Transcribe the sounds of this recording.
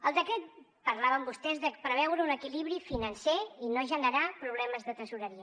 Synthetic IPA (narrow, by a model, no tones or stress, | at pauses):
əlˠd̪əkɾɛt̪̚ | pəɾlaβəmbust̪ɛzðəpɾəβɛwɾəunəkiliβɾifinənseinoʒənəɾapɾuβ̞lɛməzðət̪əsuɾəɾiə